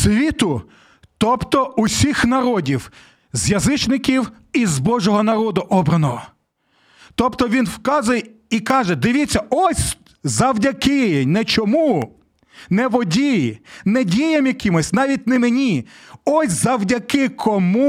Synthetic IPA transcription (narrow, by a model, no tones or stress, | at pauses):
sʲʋʲit̪ʊ | t̪ɔpt̪ɔʊsʲixnɐɾɔdʲiw | zjɐzɪt͡ʃnɪkʲiw | izbɔʒɔɦɔnɐɾɔd̪ʊʔɔbɾɐnɔɦɔ | t̪ɔpt̪ɔʋʲinwkɑzʊjɛ | ikɑʒɛd̪ɪʋʲit͡sʲːɐɔsʲ | zɐwdʲɐkɪnɛt͡ʃɔmu | nɛʋɔdʲijinɛdʲijemjɐkʲɪmɔsʲnɑʋʲit̚ʲnɛmenʲiɔsʲzɐwdʲɐkɪkʰɔmu